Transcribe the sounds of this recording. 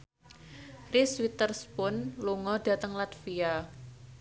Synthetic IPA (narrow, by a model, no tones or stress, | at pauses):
riswit̪ərspʊnluŋɔɖ̥a̤t̪əŋlat̪fia